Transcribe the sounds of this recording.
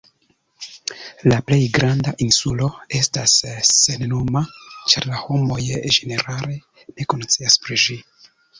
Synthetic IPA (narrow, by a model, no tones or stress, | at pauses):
laple̞jɡɾandaʔinsulo̞e̞stasːennomat͡ʃaɾlaho̞mo̞jʒe̞ne̞ɾale̞ | ne̞konot͡siaspɾiʒi